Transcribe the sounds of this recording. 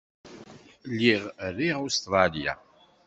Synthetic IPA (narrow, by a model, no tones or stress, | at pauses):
lːiʁrːiʁust̪ɾˤɑlja̰